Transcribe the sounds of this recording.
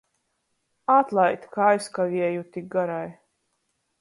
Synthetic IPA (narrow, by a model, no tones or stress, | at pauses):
at̪lˠajt̪ʲkajskavʲiɛjut̪ʲik̚ɡaɾaj